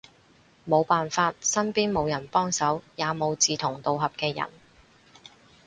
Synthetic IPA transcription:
mo˨˧wpaː˨nfaː˧t̚sɐ˥npiː˥nmo˨˧wjɐ˨˩npɔː˥ŋsɐ˨˥wjaː˨˧mo˨˧wt͡siː˨t̪ʰʊ˨˩ŋt̪o˨wɦɐ˨p̚kɛː˧jɐ̰˨˩n

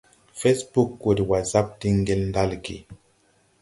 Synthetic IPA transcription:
fe˦sbu˦kːo˨di˨wa˨za˦p̚di˦ŋ˦ɡe˦ln˦da˦lɡḭ˨

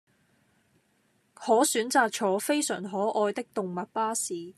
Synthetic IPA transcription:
hɔː˨˥syː˨˥nt͡saː˨k̚t͡ʃʰɔː˨˥fe˥jsœ̰ː˨˩ŋɦɔː˨˥ʔɔː˧jt̪ɪ˥k̚t̪ʊ˨ŋmɐ˨t̚paː˥siː˨

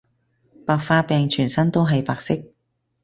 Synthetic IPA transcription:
paː˧k̚faː˧pɛː˨ŋt͡ʃʰyː˨˩nsɐ˥nt̪o˥wɦɐ˨jpaː˨˧k̚sɪ˥k̚

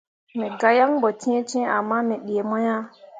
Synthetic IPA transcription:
mɛ˨ɡa˦ja˦ŋbɔ˨tĩ˦t͡ʃɛ̃˦a˨mːa˦mɛ˨ɗi˨e˨mɔ˦ja˦

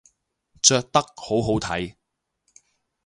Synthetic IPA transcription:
t͡ʃœː˧k̚t̪ɐ˥k̚ho˨˥wɦo˨˥wt̪ʰɐ˨˥j

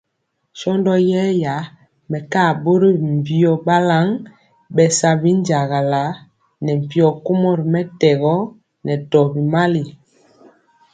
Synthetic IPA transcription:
ʃɔ˦ndɔ˦jɛ˦ja˨˦ | mɛ˨ka˦˨bo˦ɾi˦i˨m˨vi˦ɔ˨ba˦la˦ŋ | ɓɛ˨sa˨bi˦n˦d͡ʒa˨ɣa˨la˨˦ | nɛ˨m˨pi˦ɔ˨ko˦mɔ˦ɾi˨mɛ˦tɛ˨ɣɔ˦ | nɛ˨tɔ˨bi˨ma˦li˨

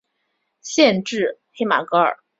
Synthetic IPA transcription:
ɕjɛ˥˧nʈ͡ʂɻ̩˥˩xe˧˥ɪma̰˨˩kɤ˧˥ə̰˞˨˩˦

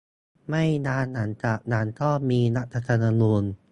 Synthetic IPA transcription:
ma˥˩jnaː˧nːa˩˦nt͡ɕa˨˩k̚naː˩˦nt̪ʰɔː˥˩miː˧na˦˥t̪̚ɾa˧t̪ʰa˧naː˧nuː˧n

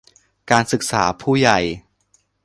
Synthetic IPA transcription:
kaː˧nsɯ˨˩k̚saː˩˦pʰuː˥˩ja˨˩j

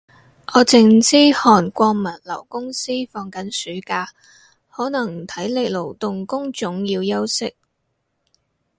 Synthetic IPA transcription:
ʔɔː˨˥t͡sɪ˧ŋt͡siː˥hɔː˨˩nkʷɔː˧ŋmɐ˨˩nlɐ̰˨˩wkʊ˥ŋsiː˥fɔː˧ŋkɐ˨˥nsyː˨˥kaː˧ | hɔː˨˥nɐ˨˩ŋ̩˨˩t̪ʰɐ˨˥jlɪ˨k̚lo˨˩wt̪ʊ˨ŋkʊ˥ŋt͡ʃʊ˨˥ŋjiː˧wjɐ˥wsɪ˥k̚

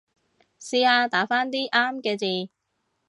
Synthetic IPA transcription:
siː˧aː˧t̪aː˨˥faː˥nt̪iː˥ʔaː˥mkɛː˧t͡siː˨˧

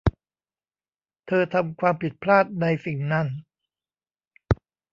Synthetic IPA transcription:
t̪ʰɤː˧t̪ʰa˧mkʰwaː˧mpʰi˨˩t̪̚pʰlaː˥˩t̪̚na˧jfi˨˩˦ŋna˦˥˩n

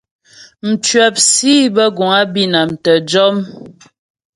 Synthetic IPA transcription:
m̩˨t͡ʃɥɛ˨p̚siː˦bə˦ɡu˨ŋa˦bi˦na˨mtə˨d͡ʒɔ˦m

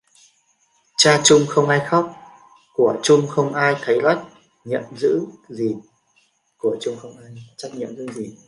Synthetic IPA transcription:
t͡ɕaː˧t͡ɕʊ˧ŋ͡mxə˧wŋ͡mʔaː˧jxa˦˥wk͡p̚ | ku˧˩ət͡ɕʊ˧ŋ͡mxə˧wŋ͡mʔaː˧jt̪ʰə˨˦jla˦˥jk̚ | ɲḭ˧˨əmzɨ̰˧˥ŋzi˨˩ | ku˧˩ət͡ɕʊ˧ŋ͡mxə˧wŋ͡mʔaː˧jt͡ɕa˦˥t̚ɲḭ˧˨əmzɨ̰˧˥ŋzi˨˩

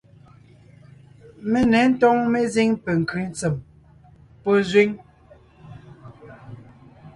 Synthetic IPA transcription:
me˦nɛ˨˦n̩˦tɔ˦ŋme˦zi˦ŋpe˨ŋ̩˨ki˨˦n˦t͡se˨m | po˦zwi˦ŋ

